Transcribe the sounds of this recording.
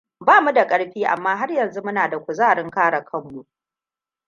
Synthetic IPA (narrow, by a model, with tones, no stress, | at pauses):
baː˦˨mu˦da˨kʼɐ˦ɽɸiː˦ʔa̰˨mːaː˦ɦa˦rjɐ˨nzu˦mʊ˦naː˨da˨kʷʊ˨zaː˦˨ɽɪ˦ŋkaː˦ɽa˨kʰɐ˦˨ŋːu˨